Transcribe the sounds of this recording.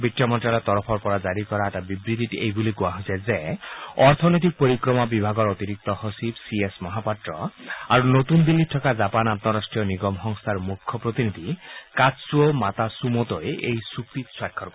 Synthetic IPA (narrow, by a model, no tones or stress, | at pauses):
biʈːɔmɔnʈalɔt̪ɔɾɔpʰɔɾpɔɾad͡ʒaɾikɔɾaɛʈabibɾit̪iʈiejbuliɡuaɦosʰɛzɛɔɾt̪ʰɔnɔjt̪̬ik̚poɾikɾɔmabibʱaɡɔɾot̪iɾik̚t̪ɔhosibsiesmɔɦapaʈɾɔaɾunot̪und̪ilːiʈʰɔkad͡ʒapanatnɔɾasʈɾijɔniɡɔmɦɔŋst̪ʰaɾmukʰːɔpɾot̪inid̪ʱikad͡ʒsuomat̪asumot̪ɔjʔejsupʰit̪swajkʰːɔɾk